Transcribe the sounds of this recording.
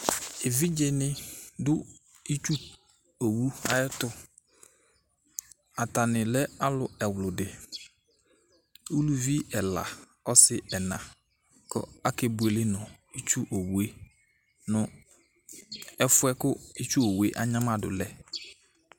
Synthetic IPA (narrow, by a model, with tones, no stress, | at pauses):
e˨vi˦d͡ʒe˨nɪ̃˦dʊ˦ | i˦t͡ʃu˦ | o˨wu˦a˨jɪ˦tʊ˦ | a˨ta˨nɪ˨lɛ˦a˦lʊ˨ɛ˨wlʊ˨dɪ˨ | u˦lu˦vi˦ɛ˨la̰˨ | ɔ˦sɪ˦ɛ˨nã˨ | kʰɔ̰˦a˦ke˨bʊ˨e˨lɪ˦nʊ̃˨ | i˦t͡ʃu˦ʔo˨wu˨e˦ | nʊ̃˨ | ɛ˦fʊ˦ɛ˦kʊ˦i˦t͡ʃu˦o˨wu˨˦e˦ʔa˦ɲã˦ma˨dʊ̰˨lɛ˦